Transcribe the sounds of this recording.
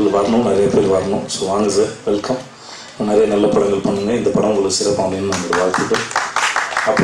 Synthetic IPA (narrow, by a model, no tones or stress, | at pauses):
lʋɐɾɐɳʊ̃nɐɾɐjɐpeːɾʋaːɾɐnʊ̃soʋaːŋɡɐsɐʋɛlkɐm | nɐɾɐjɐnɐlːɐpɐɽɐŋɡɐɭpɐɳːɯŋɡɐɪnd̪ɐpɐɽɐmʊŋɡɐɭɯkːɯsɪɾɐpːaːɳeːnːɯmɐnɡ̪ɐɾɐʋaːɻt̪ɯɣɐl | ɐpː